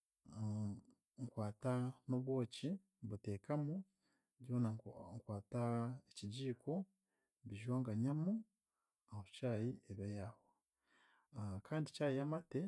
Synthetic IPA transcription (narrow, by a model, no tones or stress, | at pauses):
ŋkwaːtanoβwo̞ːci | βute̞ːkamu | ɟo̞ːnaŋkwaːtaeciɟiːkʰo̞ | βiʒwaːŋɡaɲamu | ahocaːjieβajaːho | kʰaːndicaːjiamate